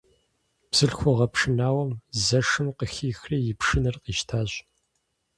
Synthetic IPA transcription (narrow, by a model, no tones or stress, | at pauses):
psɨɬxʷɔʁɐpʂɨnaːwɐmzɐʂɨmqəxiːxriːjɪpʂɨnɨrqiːʃtʰaːɕʼ